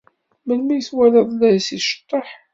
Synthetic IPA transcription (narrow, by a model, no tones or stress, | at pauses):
məlmæjəθwæləðˤlæjsiʃə̥t̪ˤːəħ